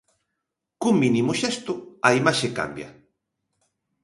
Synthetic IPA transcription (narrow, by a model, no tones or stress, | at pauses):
kumĩnimʊʃest̪ʊɐimaʃeka̰mbjɐ̰